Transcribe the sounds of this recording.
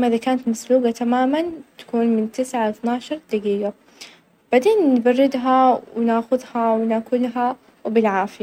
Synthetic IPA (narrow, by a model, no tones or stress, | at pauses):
maʔɪðakaːnat̪masluːɡat̪amaːmant̪ḁkuːnmɪnt̪ɪsʕaθnaːʃɑɾˤd̪aɡiːɡa | b̥ad̪eːnːbɑrːɪd̪ɦawɪnaːxʊðhawɪnaːkʊlɦa | wbɪlʕaːfɪja